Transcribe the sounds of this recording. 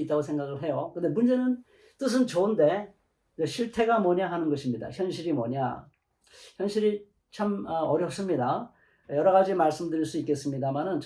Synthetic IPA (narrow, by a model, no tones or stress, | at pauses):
it͈aɡosʰe̞ŋɡaɡɯɭɦe̞jokɯnde̞mund͡ʑe̞nɯn | t͈ɯs̬ʰɯnt͡ɕounde̞ | d͡ʑeɕʰiɭtʰe̞ɡamʌɲaɦanɯnɡʌɕʰimɲida̰çjʌnɕʰiɾimʌɲa̰ | çjʌnɕʰiɾi | t͡ɕʰamʌʌɾjʌp̚s͈ɯmɲida | jʌɾʌɣad͡ʑimaɭs͈ɯmdɯɾiɭs͈uik͈e̞s͈ɯmɲidamanɯnt͡ɕ